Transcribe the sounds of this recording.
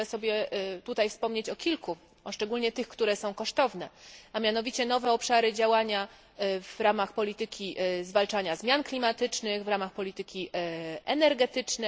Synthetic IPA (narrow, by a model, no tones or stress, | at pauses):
ɛsɔbʲjɛt̪ut̪ajfspɔmɲet͡ɕɔkʲilku | ɔʂt͡ʂɛɡulʲɲɛt̪ɘxkt̪uɾɛsɔ̃w̃kɔʂt̪ɔvn̪ɛamʲjan̪ɔvʲit͡ɕɛn̪ɔvɛɔpʂaɾɘd͡ʑawaɲa | vɾamaxpɔlʲit̪ɘkʲizvalt͡ʂaɲazmʲjanklʲimat̪ɘt͡ʂnɘɣvɾamaxpɔlʲit̪ɘkʲiʔɛnɛɾɡɛt̪ɘt͡ʂnɛ